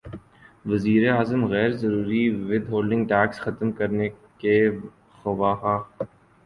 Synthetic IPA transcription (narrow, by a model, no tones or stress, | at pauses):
ʋɐziːɾeaːzəmɣɛːɾzɐɾuːɾiʋɪd̪ɦoːlɖɪ̃ŋɡʈɛːksxɐt̪mkɐɾneke | xɐʋaːɦaː